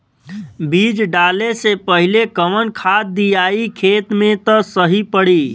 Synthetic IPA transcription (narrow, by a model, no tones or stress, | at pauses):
bid͡ʒɖalesepəɦilekəmənkʰad̪̚d̪ijaikʰet̪met̪əsəɦipəɽi